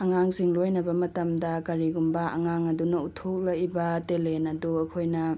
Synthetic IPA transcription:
ɐŋaŋsiŋlojnɐbɐmɐtɐmdɐkɐɾiɡumbɐɐ̰ŋaŋɐdunɐutʰok̚lɐjbɐtelenɐduɐkʰojnɐ

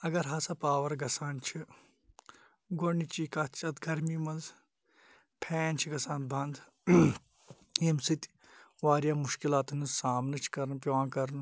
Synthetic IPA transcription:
ɐɡɐɾɦɐsɐpaːʋɐɾɡɐsaːnt͡ʃʰi | ɡoɳit͡ʃikɐt̪t͡ʃʰɐt̪ɡɐɾmiːmɐnz | pʰɛːnt͡ʃʰiɡɐsãːn̚bʱɐnd̪ | emsɨt̪ʲ | ʋaːɾjaːmuʃkilaːt̪ɨnɨzsaːmnɨt͡ʃʰi̥kɐɾnpʋãːkɐɾn

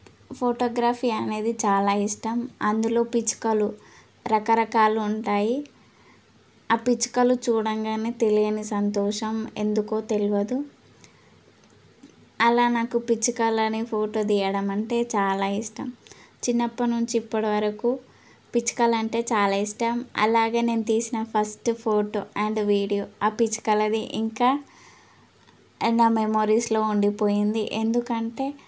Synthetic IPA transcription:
pʰoːʈɔːɡɾaːfʰiːɐne̞ːd̪it͡ʃaːlaːiʂʈɐmɐnd̪ulo̞ːpit͡ʃu̥kɐlu | ɾɐkɐɾɐkaːluuɳʈaːji | aːpit͡ʃu̥kɐlut͡ʃuːɽɐŋɡaːneːt̪e̞lijɐnisɐnt̪ɔːʃɐme̞̰nd̪ukoːt̪e̞luʋɐd̪u | ɐlaːnaːkupit͡ʃukɐlɐnipʰo̞ːʈo̞ːd̪iːjɐɽɐmɐɳʈe̞ːt͡ʃaːlaːiʂʈɐmt͡ʃinːɐpːɐnuɲt͡ʃiːpːɐɽɐʋɐɾɐku | pit͡ʃːu̥kɐlɐɳʈe̞ːt͡ʃaːlaːiʂʈɐmɐ̰laːɡeːne̞ːnut̪iːsinɐpʰɐsʈpʰo̞ːʈoːʔɛɳɖʋiːɽijoːaːpit͡ʃːkɐlɐd̪iʔiŋkaː | naːmemo̞ːɾiːslo̞ːuɳɖipo̞ːjind̪iʔend̪ukɐɳʈe̞ː

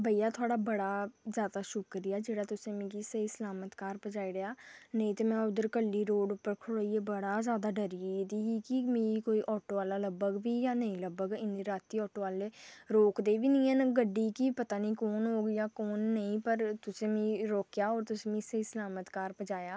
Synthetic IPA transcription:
bəijaːt̪ʰʊaːɽaːbəɽaːzjaːd̪aːʃʊkɾɪjaːd͡ʒeːɽaːt̪ʊsẽːmĩːɡisəisəlaːmət̪kaːɾpəd͡ʒaːiɾəaːnəĩt̪eːmɛ̃ːʊd̪əɾkəlːiːɾoːɖʊpːəɾkʰʊɽaːieːbəɽaːzjaːd̪aːɖəɾid̪iːiːkimĩikoːiːʔɔːʈoːaːlaːləbəɡʋiːjaːnəĩːləbəɡɪniːɾaːt̪iːɔːʈoːaːleːɾoːkd̪eːʋiːnĩːɛnɡəɖːiːkipət̪aːniːkoːnɦoːɡjaːkoːnːəĩːpəɾt̪ʊsẽːmĩːɾoːkjaːɔːɾt̪ʊsẽːmĩːseiːsəlaːmət̪kaːɾpəd͡ʒaːjaː

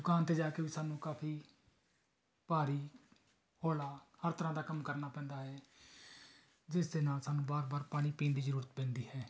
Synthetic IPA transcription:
d̪ʊkaːnt̪eːd͡ʒaːkeːʋiːsaːnːũːkaːpʰiː | paːɾiː | hoːlaːhəɾt̪əɾãːd̪aːkəmkəɾnaːpɛ̃ːnd̪aːɦɛː | d͡ʒɪsd̪eːnaːlsaːnːũːbaːɾbaːɾpaːɽ̃iːpĩːnd̪iːzəɾuːɾət̪̚bɛ̃ːnd̪iːhɛː

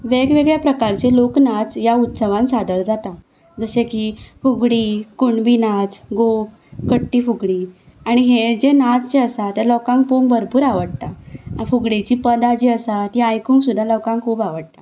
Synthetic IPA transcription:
ʋeɡʋeɡɭjapɾəkaɾt͡ɕeloknad͡zjaut̪səʋãnsad̪əɭd͡zat̪a | d͡zəsekifuɡɽiːkuɳbinad͡zɡop | kəʈːiːfuɡɽiː | aɽ̃iɦed͡ʑenad͡zt͡ɕeəsat̪eləwkãŋk̚poŋbəɾpuːɾaʋəɽt̪afuɡɽet͡ɕiːpəd̪ad͡ʑiːəsat̪iajkũːŋksud̪ʱːaləwkãŋkʰuːpaʋəɽ̚t̪a

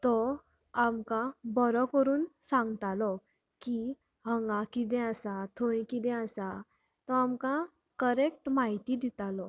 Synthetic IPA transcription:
t̪ɔ | amkabəɾɔkəɾuːnsãŋɡt̪alɔ | ki | ɦəŋɡakid̪̬ɛ̃əsat̪ʰõĩkid̪ɛ̃asa | t̪ɔamka | kəɾekʈmaɦit̪id̪it̪alɔ

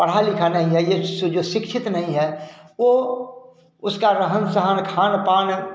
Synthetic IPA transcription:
pəɽ̤aːlikʰanəɦĩɦɛjed͡ʒoːʃɪkʃʰɪt̪nɐɦĩɦɛʋo | ʊskaɾəɦənsəɦənkʰaːnpaːn

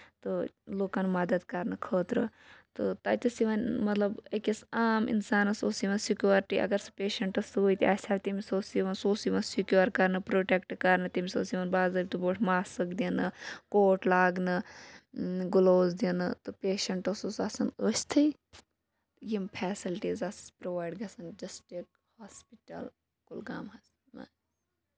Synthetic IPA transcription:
t̪ɨloːkɐnmɐd̪ɐd̪kɐɾnɨkʰəːt̪ɾɨt̪ɨt̪ɐt̪ɐsiʋɐnmɐt̪lɐbekɐsaːmḭnsaːnɐsoːsiʋɐnsikʲjuːɾʈiʔɐ̰ɡɐɾsɨ̥peːʃɐɳʈɐsoːit̪ia̰ːsʰaːʋʲt̪imisoːsiʋɐnsoːsiʋɐnsikjuɾkɐɾnɨpɾoːʈekʈkɐɾnɨt̪imisosiʋɐnbaːzɐːb̚ʲt̪uboːʈʰmaːssɨkd̪inɨkoːʈlaːɡnɨ | ɡuloːzd̪inɨt̪ɨpeːʃɐɳʈɐsosɐsɐnəst̪ʰɐi | t̪jimpʰɛːsilʈiːzɐspɾoːʋaːjɖɡɐsɐnd͡ʒɐsʈeːk̚ | haːspiʈɐ̰l | kulɡa̰ːmɦɐs | na̰

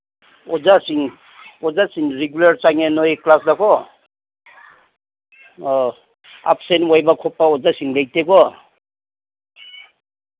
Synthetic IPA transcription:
ɔzasiŋ | ɔzasiŋɾeɡulaɾt͡ʃaŋenɔeklasdakʰɔ | a̰p̚senwajbakʰɔpːaɔzasiŋlejteɡɔ

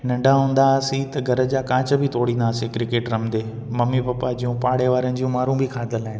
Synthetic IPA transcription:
nɐ̃ɳɖaɦũːnd̪asĩt̪ɐɡʱɐɾə̆d͡ʑaːkãːt͡ɕəbʱɪt̪oːɽĩːnd̪aːsekɾɪkeːʈɾɐmd̪eː | mɐmipɐpad͡ʑijũpaːɽeʋaːɾənɪ̆d͡ʑiːũmaːɾũbʱikʰaːd̪əlaːɦɪnɪ

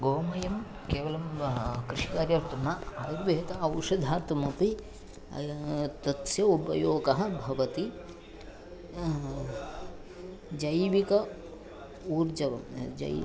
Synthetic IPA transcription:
ɡoːmɐjɐm | keːʋɐlɐmkɾiʃikaːɾjɐʋɐɾt̪ɐnːɐɐɾɐɾʋeɦːt̪ɐɐwʂɐd̪ʱaːt̪umɐpi | t̪ɐt̪sjɐubɐjoːɡɐɦɐ̆bʱɐʋɐt̪i | d͡ʒɐjʋikɐ | uːɾd͡ʒɐʋɐ̰md͡ʒɐ̰

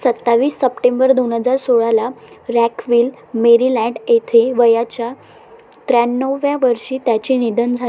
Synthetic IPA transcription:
sət̪ːaʋiːsːəpʈẽmbəɾd̪onɦəd͡zaɾsoɭalaɾækʋiːl | meɾilɛɳɖet̪ʰeʋəjat͡ɕja | t̪ɾanːəʋʋjaʋəɾɕiːt̪jat͡ɕinid̪ənd͡zʱa

